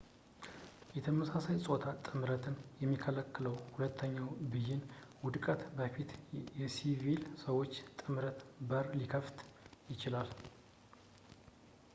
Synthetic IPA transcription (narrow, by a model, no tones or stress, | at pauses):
jɛt̪ʰəməsasajsʼo̞t̪ʰat̪ʼɨmɾət̪ʰɨnjɛmːikʰələkːɨləwhulət̪ʰːəɲːawbɨjːɪnwʊd̪kʼət̪bəfit̪jɛsivilsəwo̞t͡ʃːt̪ʼɨmɾət̪bəɾlikʰəft̪jɪt͡ʃɪlal